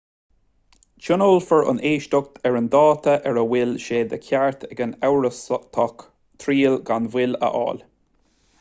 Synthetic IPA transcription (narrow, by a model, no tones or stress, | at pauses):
t͡ʃʊnoːlfəɹʊ̰neːʃt̪ʊk̚t̪ʰɛɹənd̪ɑːt̪ʰəʔɛɹəwɪlʃeːd̪əkʰʲaɹt̪ʰɛɡənawɹəst̪ʰɔk | t̪ʰɾiːlɡanvɪlə̰ʔɑ̰ːl